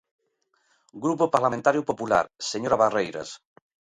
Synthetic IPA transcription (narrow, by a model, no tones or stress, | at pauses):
ɡɾupopaɾlamẽnt̪aɾjupopula̰ɾseɲoɾaβarejɾɐ̰s